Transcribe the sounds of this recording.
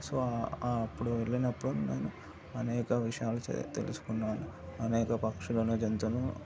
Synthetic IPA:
soːpːuɽuʋeɭːinɐpːuɽuneːnu | ɐnɛːkɐʋiʂɐjaːlṵt̪e̞̰lṵsu̥kunːaːnuɐnɛːkɐpɐkʂulɐnuːd͡ʒent̪unu

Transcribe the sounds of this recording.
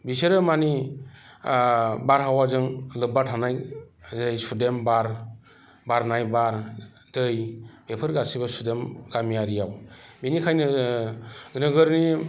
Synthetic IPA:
bisɯɾɯmani | baɾɦawazɯŋlɯbatʰanajzɾajsudembaɾ | baɾnajbaɾ | dɯjbepʰɯɾɡasibasudemɡ̥amijaɾijawbinikʰajnɯ | ɡɯnɯɡɯɾni

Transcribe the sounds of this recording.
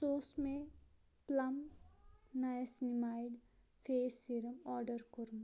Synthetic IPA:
soːsme | plɐm | najɐsnimaːjɖ | fʰeːsiɾɐmɔːɾɖəɾkuɾm

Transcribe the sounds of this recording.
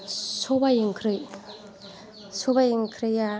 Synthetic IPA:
sobajɯŋkʰɾɯj | sobajiŋkʰɾɯja

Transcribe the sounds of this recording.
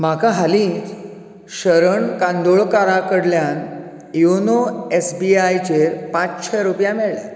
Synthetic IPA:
m̤akaɦalĩt͡s | ɕəɾəɳkãnd̪oɭkaɾakəɽljan | jonoesbiajt͡ɕeɾpãt͡sɕʰɛɾupjãmɛɭlja̰

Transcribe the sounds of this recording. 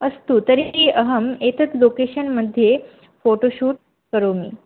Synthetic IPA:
əst̪uːt̪əɾitiːʔəɦəmet̪ət͡slokeɕənməd̪ʱːje | foʈoɕuːʈ̚ | kəɾomiː

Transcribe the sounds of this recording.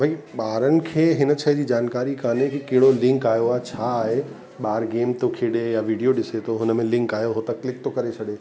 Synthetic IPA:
bʱɐiɓaːɾənɪ̆kʰeːɦɪnət͡ɕʰəd͡ʑiːd͡ʑaːnkaːɾikaːnekikeɦɪɽolɪ̃ŋkaːjoat͡ɕʰaːɦe | ɓaːɾɡeːmt̪okʰeːɽejaʋiːɖijoɗɪset̪ʰoɦʊnmẽlɪ̃ŋkaːjoɦot̪ɐklɪk̚t̪okɐɾet͡ɕʰɐɽe

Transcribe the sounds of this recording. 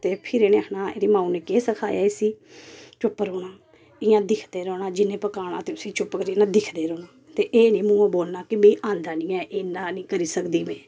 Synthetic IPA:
t̪eːpʰɪɾeːnẽːənãːḛːɾiːmãːũːnẽːkeːsəkʰa̰ːja̰ːesiːt͡ʃʊpːɾoːnaː | ɪːãːd̪ɪkʰd̪eːɾoːɽaːd͡ʒɪnẽːpəkaːɽ̃ã̰ːt̪eːʊsĩːt͡ʃʊpkəɾiːnãːd̪ɪkʰd̪eːɾoːnaː | t̪eːʔeːnĩːmũːãːboːlnaːkɪmẽːʔãːnd̪aːnĩːɛ̃ːʔeːnaːnĩːkəɾiːsəkd̪iːmɛ̃ː

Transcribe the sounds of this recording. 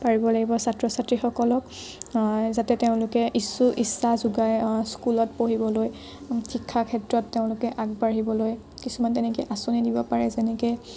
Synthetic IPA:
paɹibɔlaɡibɔsatɹɔsatɹixɔkɔlɔk | zatɛteʊ̃lʊkɛʔisuʔisːazuɡajskulɔt̚poɦibɔloj | tʰikʰːakʰɛtɹɔtːeʊ̃lʊkɛʔaɡ̚baɹɦibɔloj | kisumantɛnɛk̬eʔasunidibɔpaɹɛzɛnɛke

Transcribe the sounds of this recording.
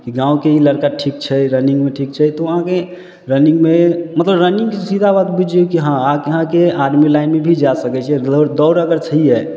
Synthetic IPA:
kiɡãũkeiləɾkaʈʰikt͡ʃʰɛɾəniŋɡmeʈʰik̚t͡ʃʰɛt̪ɔəɦãke | ɾəniŋɡmemət̪ləbɾəniŋɡkesid̪ʱabat̪bud͡ʒʱiokiɦããkəɦãkeaɾmilaɪnmebʱid͡ʒasəkɛt͡ʃʰɛɾd̪ɔwɾəɡəɾt͡ʃʰəɦiɛ

